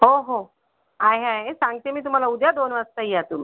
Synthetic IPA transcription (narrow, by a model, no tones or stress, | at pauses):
ɦoɦo | aɦeaɦesãŋɡt̪emiːt̪̬um̤alaud̪jad̪onʋast̪aijat̪umi